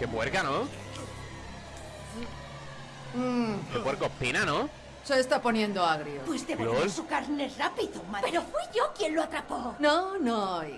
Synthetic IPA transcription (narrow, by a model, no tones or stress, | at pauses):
kebweɾkano | keweɾkopinano | soest̪apo̞nje̞nd̪oaɣɾiopwist̪elossukaɾnerapiðomapeɾofwiʝokjenloat̪ɾapononoj